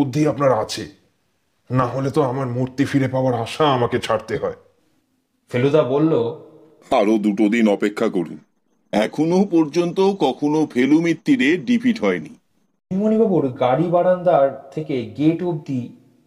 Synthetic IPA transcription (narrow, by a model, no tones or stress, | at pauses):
od̪ʱːiapnaɾat͡ɕʰe | naɦolet̪oamaɾmuɾt̪ifiɾepaoaɾaʃaamaket͡ɕʰaɾt̪eɦɔe | felud̪abolːo | aɾod̪uʈod̪inɔpekʰːakoɾṵn | ɛkʰonopɔɾd͡ʑont̪okɔkʰonofʰelumit̪ːiɾeɖipʰiʈɦɔeni | imonibʱaboɾɡaɽibaɽand̪aɾt̪ʰekeɡeʈob̚d̪i